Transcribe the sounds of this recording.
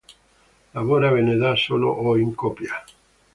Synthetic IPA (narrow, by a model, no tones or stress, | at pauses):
laβoɾaβeneðasolo̰ʔoiŋkopja